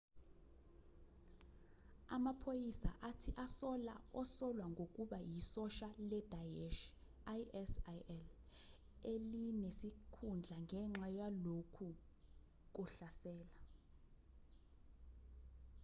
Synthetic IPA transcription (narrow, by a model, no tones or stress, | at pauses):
amapʰojisa̰ʔatʰiʔasɔla̰ɔsɔlwaŋɡʱok̬ʼuɓajisɔʃalɛd̥ʱajeʃ | aɛsaɛl | elinesikʰund͡ɮʱaŋɡʱɛŋ͡ǁajalokʰu | k̬uɬasɛːla